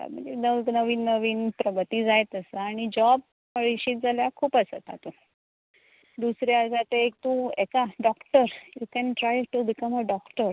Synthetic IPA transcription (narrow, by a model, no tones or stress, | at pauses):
mə̰enənəʋiːnːəʋiːnpɾəbət̪iːd͡zajt̪əsaaɽ̃id͡ʑɔb̚ | pəɭiɕiːt̪̚d͡zaljakʰuːpəsət̪a̰t̪u | d̪usɾjasat̪ek̚t̪ũɛkaɖɔkʈəɾjukɛnʈɾajʈubikəməɖɔkʈəɾ